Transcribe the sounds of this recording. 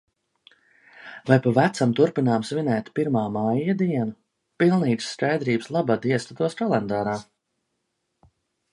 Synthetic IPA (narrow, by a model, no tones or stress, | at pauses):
vajpavæt̪samt̪uɾpinaːmsvinɛːt̪ʲpiɾmaːmajad̪iɛnu | pilˠniːt̪sːkajd̪ɾiːbslˠabad̪iɛst̪at̪uɔskɔlˠɛnd̪aːɾaː